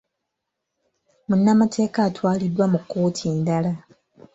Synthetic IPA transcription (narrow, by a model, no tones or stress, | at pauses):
munːamatʰe̞ːkaːtwaːlidːwamukːo̞ːtʰiːndala